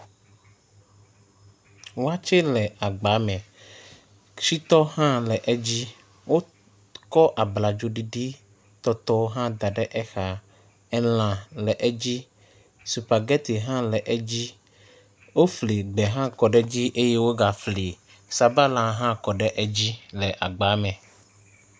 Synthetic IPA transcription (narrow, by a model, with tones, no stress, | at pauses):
wo˦a˦t͡ʃe˦lɛ˨a˨ɡ͡ba˨˦mɛ̃˨ | si˦t̪ɔ˦hã˦lɛ˨ʔɛ˦d͡ʑi˦ | wo˦ | kɔ˦ʔa˨bla˨d͡ʒo˨ɖi˨ɖi˦ | t̪ɔ˦t̪ɔ˦wo˦ɦã˦d̪a˨ɖɛ˦ʔɛ˦xa˨ | ɛ˦l̃ã˨lɛ˨ʔɛ˦d͡ʑi˦ | su˨pa˨ɡɛ˦t̪i˨ɦã˦lɛ˨ʔɛ˦d͡ʑi˦ | wo˦fli˨ɡ͡bɛ˨ɦã˦kɔ˨ɖɛ˦d͡ʑi˦ʔe˦je˦wo˦ɡa˨fli˨ | sa˨ba˦lã˨ɦã˦kɔ˨ɖɛ˦ʔɛ˦d͡ʑi˦lɛ˨ʔa˨ɡ͡ba˨˦mɛ̃˨